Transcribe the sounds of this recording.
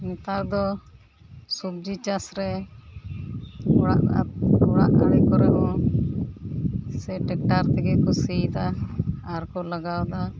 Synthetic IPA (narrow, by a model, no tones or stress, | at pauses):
mɛt̪aɾd̪ɔ | sub̚d͡ʒit͡ʃasɾɛ | aʔɔɽa̰ʔaɽɛkɔɾɛbɔ | sɛʈɛk̚ʈaɾt̪ɛɡɛkɔsit̪aː | ɾkɔlaɡawd̪a